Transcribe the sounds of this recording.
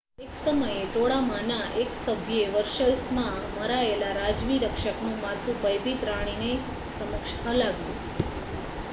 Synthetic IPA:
eksəməjet̪oɽamanaʔeksəbʱjeʋəɾʃəlsmãməɾaelaɾad͡ʒʋiɾəkʃəknũmat̪ũbəjbit̪ɾaɽ̃ine | səməkʃəlaɡjṵ̃

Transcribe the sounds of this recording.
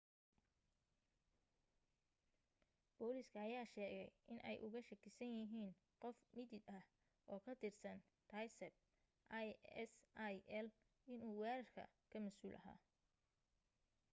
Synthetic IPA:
b̥ɔːlɪskʰɐːjaːʃɛːɣɛjʔɪnʔɛ̰jʔʊ̰ɣɐʃɐkʰɪsɐnjɪɦiːn | qɔfmɪd̪ɪd̪ɐh | ʔɔːkʰɐt̪ʰɪrsɐn | t̪aːjsɛb̚ | ʔajɛsʔajɛl | ɪnuːwɛːɾɐrkʰɐ̰kʰɐmɐsuːlʔɐ̰ɦa̰ː

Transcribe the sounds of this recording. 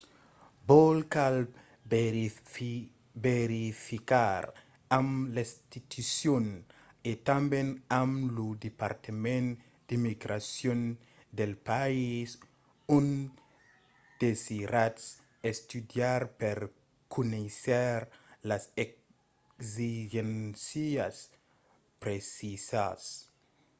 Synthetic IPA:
bolkal | beɾifikaɾ | amlist̪it̪usjon | et̪ãmbẽnamlud̪epaɾt̪emẽn | d̥̪imiɡɾasjõn | d̪elpais | ũn | d̪̥esiɾats | est̪ud̪jaɾpeɾ | kuneseɾlasek | ziʒensias | pɾesisas

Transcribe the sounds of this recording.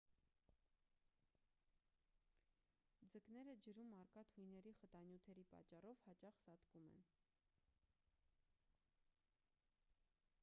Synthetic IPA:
d͡zəknɛɾəd͡ʒəɾumɑɾkɑt̪ʰujnɛɾiχət̪ɑnjut̪ʰɛɾipɑ̰t͡ʃːɑrɔvhɑt͡ʃɑχsɑt̪kumɛ̰n

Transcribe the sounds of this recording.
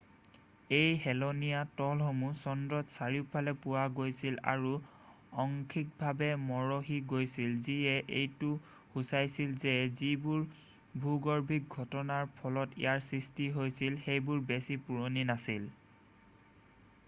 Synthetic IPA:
ejɦɛlonijatɔlɦomusɔndɹɔtsaɹipʰalɛpʊwaɡojsila̰ɹu | ɔŋkʰik̚bʱabɛmɔɹoɦiɡojsilziɛʔejtu | husajsilzɛzibʊɹ | bʱuɡɔɹbʱik̚ɡʱɔtɔnaɹpʰɔlɔtḭjaɹsɹistiɦojsilxejbʊɹbesipuɹoninasil

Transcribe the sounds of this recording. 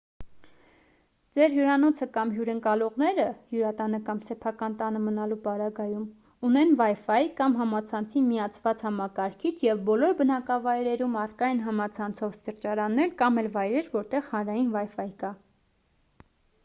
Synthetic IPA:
d͡zɛɾɦjuɾɑnɔt͡sʰəkɑmɦjuɾəŋkɑlɔʁnɛɾəhjuɾɑt̪ɑnəkɑmsɛpʰɑkɑnt̪ɑnəmənɑlupɑɾɑɡɑjum | unɛnvɑjfɑjikɑmɦɑmɑt͡sʰɑnt͡sʰimiɑt͡sʰvɑt͡shɑmɑkɑɾkʰit͡sʰjɛvbɔlɔɾbənɑkɑvɑjɾɛɾumɑrkɑjinɦɑmɑt͡sʰɑnt͡sʰɔvst̪əɾt͡ʃɑɾɑnːɛlkɑmɛlvɑjɾɛɾvɔɾt̪ɛʁhɑnɾɑjinvɑjfɑjkɑ

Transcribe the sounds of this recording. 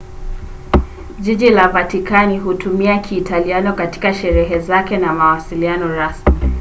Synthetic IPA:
ʄiʄilavatikaniɦutumiakʰiːtalianɔkati̥kaʃɛɾɛɦɛzakɛnamawasilianɔɾasmi

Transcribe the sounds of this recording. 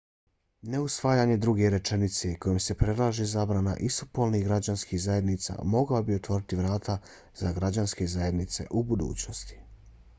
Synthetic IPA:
ne̞usʋaːjaːɲe̞d̪ɾuɡe̞ɾe̞t͡ʃe̞nit̪se̞ko̞jemse̞pɾe̞d̪lˠaːʒezaːbɾana̰ʔist̪upolnixɡɾad͡ʑanskiɣzaje̞d̪niːt̪sa̰mo̞ɡlabiot̪ʋo̞ɾit̪iʋɾaːt̪ʰa | zaɡɾad͡ʑanske̞zaje̞d̪nit̪se̞̰ʔubud̪ṵːt͡ɕnost̪i̥

